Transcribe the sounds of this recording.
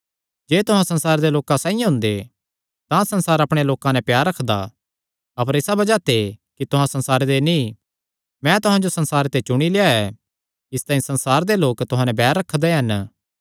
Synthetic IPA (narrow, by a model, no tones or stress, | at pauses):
d͡ʒeːt̪ʊɦãsɐ̃nsaːɾed̪eloːkãsãːĩjãɦʊ̃nd̪e | t̪ãsɐnsaːɾɐpɽ̃eloːkãnɛ̃pjaːɾːɐkʰd̪a̰ | ɐpəɾɪsabɐd͡ʒat̪ʰekit̪ʊɦãsɐ̃nsaːɾed̪eni | mɛ̃t̪ʊɦãd͡ʒosɐnsaːɾet̪et͡ʃʊɽ̃ileːaɛ | ɪst̪ãːĩsɐ̃nsaːɾd̪eloːkt̪ʊɦãnɛ̃bɛːɾːɐkʰd̪eɦɐn